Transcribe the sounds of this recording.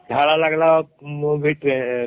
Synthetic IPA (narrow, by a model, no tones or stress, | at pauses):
d̪ʱaɭalaɡlamobʱiʈe